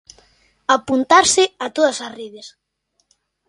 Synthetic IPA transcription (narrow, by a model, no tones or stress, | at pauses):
apunt̪aɾsɪat̪oðɐsasriðes